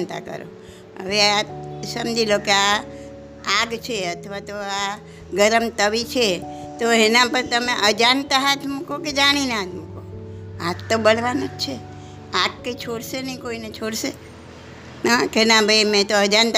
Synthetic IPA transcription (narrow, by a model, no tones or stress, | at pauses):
nt̪a̰kə̰ɾo̰ | ə̰ʋeasəmd͡ʒilokea | aɡt͡ʃʰeət̪ʰəʋat̪oa | ɡəɾəmt̪əʋit͡ʃʰet̪oɦenãpəɾt̪əmeʔəd͡ʒant̪aɦat̪ʰmukoked͡ʒaɽ̃inɦat̪ʰmukoatt̪ːobəlʋanod͡ʒt͡ʃʰe | aɡkəit͡ʃʰoɽsenə̃ĩkoinet͡ʃʰoɽse | nakenabʱəimẽt̪oəd͡ʒant̪